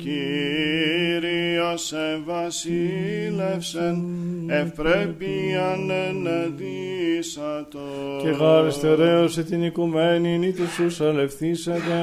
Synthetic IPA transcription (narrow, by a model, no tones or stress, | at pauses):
ci | ɾiosevɐsilefsenepɾepiɐneneðisɐt̪ocexɐɾist̪e̞ɾe̞oset̪inikumeninit̪ususɐle̞fθiset̪e